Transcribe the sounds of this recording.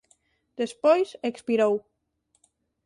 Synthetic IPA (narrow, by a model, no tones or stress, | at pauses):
d̪̥espojsekspiɾow